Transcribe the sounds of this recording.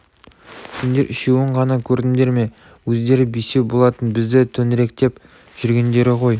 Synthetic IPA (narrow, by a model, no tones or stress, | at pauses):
sʲɪnd̪e̞ɾʔɪʃewɪɴʁɑnɑkʲʰɵɾd̪ɪmd̪e̞ɾme̞ | wɵzd̪e̞ɾɪbijse̞bo̞lˠɑt̪ənbɪzd̪ɪt̪ʰɵnɾe̞k̚t̪e̞p | ʒ̥ʏɾɡʲe̞nd̪e̞ɾɪqʰo̞j